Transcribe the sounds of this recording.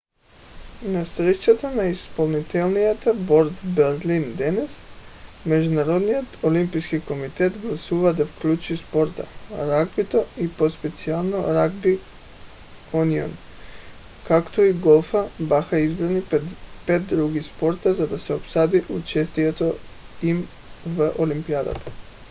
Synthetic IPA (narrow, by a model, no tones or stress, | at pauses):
nasɾɛt͡ʃat̪anaispolˠnit̪ɛlˠnijat̪aboɾd̪bɛɾlind̪ɛnɛsmɛd͡ʒunaɾod̪nijot̪olimpiskikomit̪ɛt̪ɡlˠasuvad̪afklʲut͡ʃispoɾt̪a̰ɾaɡbit̪oipospɛt̪sialˠnoɾaɡbi | unio̰n | kakt̪oiɡolˠfabaxaizbɾanipet̪̚d̪ɾuɡispoɾt̪azad̪asɛopsad̪iʔut͡ʃɛst̪iɛt̪oim | vʔolimpiad̪a̰t̪ʰḁ